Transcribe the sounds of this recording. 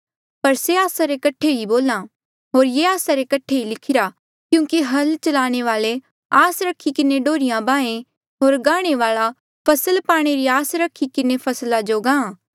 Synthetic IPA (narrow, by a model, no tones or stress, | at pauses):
pɐɾseaːsaɾekɐʈʰeiboːlã | ɦoːɾjeaːsaɾekɐʈʰeilɪkʰɪɾa | kjũːkiɦɐlt͡ʃɐlaːɽ̃eʋaːle | aːsɾɐkʰːikɪneɖoːɾɪjãbãːẽ | ɦoːɾɡaːɽ̃eʋaːɭa | pʰɐsəlpaːɽ̃eɾiaːsɾɐkʰikɪnepʰɐslad͡ʒoːɡãːãː